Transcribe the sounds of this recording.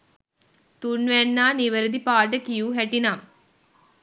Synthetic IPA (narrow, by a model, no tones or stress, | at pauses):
t̪uɳʋɛnːaːniʋɐɾɐd̪ipaːʈ̬ːɐkijuːɦɛʈːinaːm